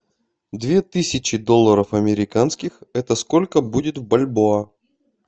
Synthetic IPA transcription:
d̪vʲe̞t̪ɨsʲɪt͡ɕɪd̪o̞lˠːəɾəfɐmʲɪɾʲɪkanskʲɪxɛt̪əsko̞lʲkəbudʲɪt̪vbɐlʲboɐ

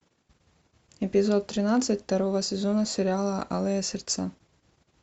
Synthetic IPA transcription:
ɛpʲɪzɔt̪ːɾʲɪnat̪sɨt̪ʲt̪ɐɾɔvɐsʲɛzɔnɐsʲɛɾʲɪalˠɐʔa̰lˠɛjɐsʲɛrt̪sa

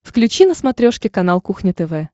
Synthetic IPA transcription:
fklʲʉt͡ɕinəsmɐt̪ɾʲoʂkʲɪkɐnalˠkuxnʲɪt̪ɛvɛ

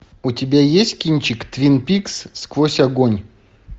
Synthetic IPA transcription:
ʊtʲɪbʲajesʲt̚ʲkʲinʲt͡ɕɪkt̪vʲinpʲiksskvosʲɐɡonʲ

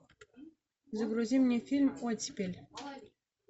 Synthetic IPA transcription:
zʲɤɡruzʲemʲnʲefʲilʲmotʲipʲelʲ

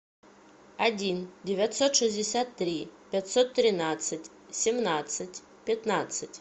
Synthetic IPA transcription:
ɐdʲindʲɪvʲat̪sot̪ʂɨzʲdʲɪsʲat̪ːɾʲipʲat̪sot̪ːɾʲɪnat̪sɨtʲ | sʲɪmnat̪sɨtʲ | pʲɪt̪nat̪sɨtʲ

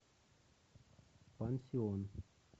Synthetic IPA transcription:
pɐnsijoːn

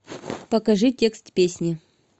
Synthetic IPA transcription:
pɐkɐʐɨtʲekst̪pʲesʲnʲɪ

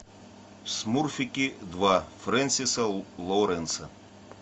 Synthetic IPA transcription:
smurfʲikʲid̪ʋafɾɛnʲsʲisɐlˠɔwɾɛnsɐ

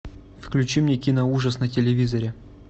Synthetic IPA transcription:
fklʲʉt͡ɕimnʲekʲinəuʐəsnətʲɪlʲɪvʲizɐɾʲɪ

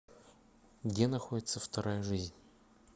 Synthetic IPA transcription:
ɡdʲenɐxo̞dʲɪt̪səft̪ɐɾajəʐɨzʲnʲ

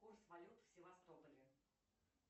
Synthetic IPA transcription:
kursvalʲut̪fsʲɪvast̪opəlʲɪ

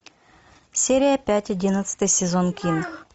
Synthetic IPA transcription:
sʲeɾʲɪjəpʲætʲɐdʲinət̪sɨ̥t̪ɨjsʲɪzonkʲinx

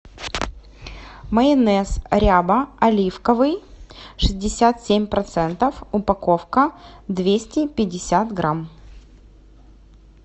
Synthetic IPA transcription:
məɪnɛsɾʲabəɐlʲifkəvɨjʂɨzʲdʲɪsʲat̪sʲemʲpɾɐt̪sɛnt̪əfʊpɐkofkəd̪vʲesʲtʲɪpʲɪdʲːɪsʲat̪ɡɾam

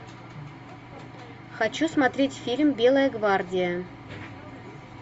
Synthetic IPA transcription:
xɐt͡ɕusmat̪ɾʲetʲfʲilʲmbʲelˠəjəɡvardʲɪjə

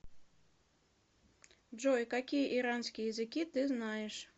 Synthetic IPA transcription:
ʐɔjkakʲijɐʔiɾansʲkʲijjɐzɨkʲit̪ɨznajɛʂ

